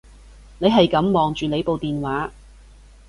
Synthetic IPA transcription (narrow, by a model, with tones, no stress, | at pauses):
ne˨˧jɦɐ˨jkɐ˨˧˥mːɔː˨˩ŋt͡ʃyː˨ne˨˧jpo˨wt̪iː˨nwaː˨˥